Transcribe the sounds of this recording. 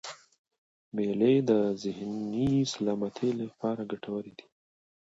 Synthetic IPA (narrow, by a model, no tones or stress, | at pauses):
meled̪əzɪhnisalɑmat̪ʰelapɑɾaɡaʈʰawəɾid̪i̥